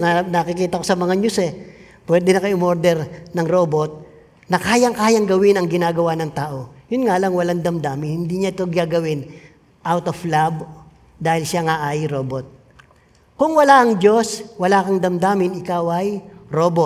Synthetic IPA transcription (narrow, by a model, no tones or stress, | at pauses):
anɐkɪkiːt̪ɐkosɐmɐŋaɲʊsɛ | pwɛːd̪ɛnɐkɐjʊmoɾd̪ɛɾnɐŋɾo̞ːbo̞t̪̚ | nɐkaːjɐŋkaːjɐŋɡɐwɪnɐŋɡɪnaːɡɐwanɐŋt̪aːʔo̞jʊnŋalɐŋwɐlaŋd̪ɐmd̪aːmɪhɪnd̪iːɲaʔɪt̪o̞ɡaɡɐwɪn | ʔawt̪oflab | d̪aːhɪlʃaŋaʔɐjɾo̞ːbot̪̚ | kʊŋwɐlaʔɐŋd͡ʒo̞swɐlakɐŋd̪ɐmd̪aːmɪnɪkawʔɐjɾoːbot̪̚